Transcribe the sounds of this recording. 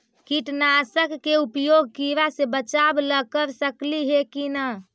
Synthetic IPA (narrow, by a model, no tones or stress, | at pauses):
kiʈnasəkːeupjoɡ̚ʱkiɾasebət͡ʃabləkəɾsəkliɦekina